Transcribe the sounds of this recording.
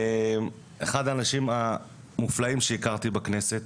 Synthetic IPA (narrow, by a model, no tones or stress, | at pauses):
m | eχad̪aːnaʃima | muflaimʃeikaʁt̪ibakne̞se̞t̪